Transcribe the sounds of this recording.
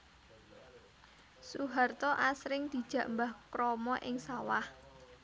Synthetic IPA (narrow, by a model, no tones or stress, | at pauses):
suɦart̪ɔʔasɾɪŋd̪̥i̤d̥ʒ̥ä̤ʔmbahkɾɔmɔʔɪŋsawah